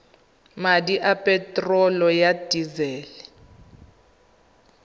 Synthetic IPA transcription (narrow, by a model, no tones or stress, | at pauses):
madiʔapʼɛtʼrɔlɔjadʼizɛːlɛ